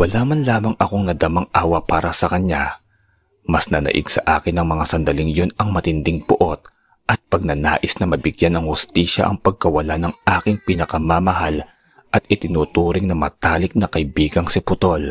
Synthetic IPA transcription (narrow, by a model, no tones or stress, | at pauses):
wɐlaːmɐnlaːmɐŋʔɐko̞ŋnɐd̪amɐŋʔaːwɐpaːɾɐsɐkɐnɲa | mɐsnɐnɐ̰ʔɪ̰ɡsɐ̰ʔa̰ːkɪnːɐŋmɐŋasɐnd̪ɐlɪŋjonɐŋmɐt̪ɪnd̪ɪŋbʊʔo̞t̪̚ | ʔɐt̪̚pɐɡ̚nɐna̰ːʔɪsnɐmɐbɪɡjanɐŋhʊst̪iːʃɐ̰ʔɐ̰ŋpɐɡ̚kɐwɐlanɐŋʔaːkɪŋpɪnɐkɐmamɐhal | ʔɐt̪ʔɪt̪ɪnuːt̪uːɾɪŋnɐmɐ̰t̪aːlɪk̚nɐkɐʔɪbiːɡɐŋsɪpʊt̪o̞l